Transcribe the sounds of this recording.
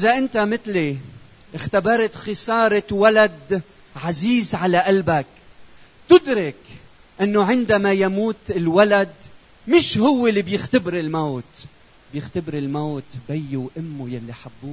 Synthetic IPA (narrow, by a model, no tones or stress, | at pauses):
ʔɪzaʔɪnt̪amɪt̪li | ʔɪxt̪abɑɾˤɑt̪xɪsɑːɾˤwalad̪ | ʕaziːzʕalaʔalbak | t̪ʊd̪ɾɪk | ʔɪnːoʕɪnd̪amajamuːt̪ɪlwalad̪ | mɪʃhʊwːɪlːibjɪxt̪abɾɪlmoːt̪ | bjɪxt̪abɾɪlmoːt̪bajːuwʔɪmːujalːiħabːuː